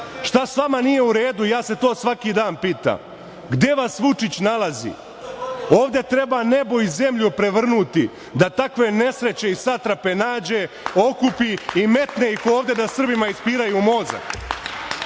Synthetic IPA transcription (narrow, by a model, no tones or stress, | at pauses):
ʃt̪asʋamanije̞uɾe̞ːd̪ujaːse̞t̪o̞ːsʋakiːd̪aːnpiːt̪a̰m | ɡd̪e̞ʋasʋut͡ʂit͡ɕnalˠazḭ | o̞ːʋd̪e̞t̪ɾe̞bane̞boize̞mʎupɾe̞ʋr̩nut̪i | d̪at̪akʋe̞ne̞sɾe̞t͡ɕe̞isat̪ɾape̞naːd͡ʑe̞ | o̞kupiime̞t̪neikooːʋd̪ʲe̞d̪asr̩bimaispiːɾajumo̞ːza̰